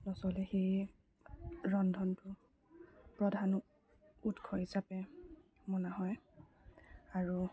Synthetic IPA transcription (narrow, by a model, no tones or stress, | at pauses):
nɔsɔlɛxej | ɹɔndʱɔntʊ | pɹɔdʱan | utkʰɔɦisapɛ | mɔnaɦɔj | aɹu